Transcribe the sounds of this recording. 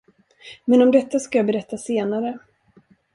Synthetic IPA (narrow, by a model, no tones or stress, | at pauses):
mɛnɔmd̪ɛt̪ːaskajaːbɛɾɛt̪ːaseːnaɾə